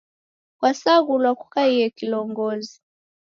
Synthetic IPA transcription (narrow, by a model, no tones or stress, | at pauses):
kwasaɣulwakukaijɛkilɔŋɡɔzi